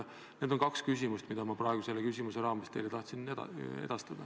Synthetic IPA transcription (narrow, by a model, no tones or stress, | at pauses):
ned̪o̞nkɑkskys̬ʲimust̪mid̪̥ɑmɑpɾɑe̞ɡ̥use̞lekysʲimuse̞ɾɑːmest̪eːlet̪ɑht̪sinḛd̪̥ɑst̪ɑd̪̥ɑ